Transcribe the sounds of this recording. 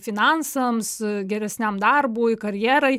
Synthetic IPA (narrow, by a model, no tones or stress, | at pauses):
fʲɪnɑnsɐmsɡʲɛɾʲɛsʲnʲæmd̪ɐrbuːkɐɾʲjɛːɾɐɪ